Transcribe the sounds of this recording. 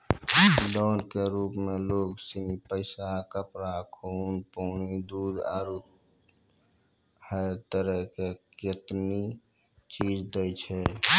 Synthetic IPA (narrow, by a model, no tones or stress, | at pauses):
d̪ɔnkeɾupmeloɡsinipəɪsakəpɾakʰunpəːñid̪ud̪a̰ɾut̪ | həet̪əɾəɦkeket̪ni | t͡ʃid͡ʒd̪əjt͡ʃʰɛ